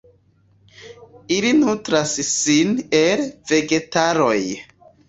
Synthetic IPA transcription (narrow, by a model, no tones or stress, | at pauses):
ilinutɾassinelve̞ɡe̞taɾo̞j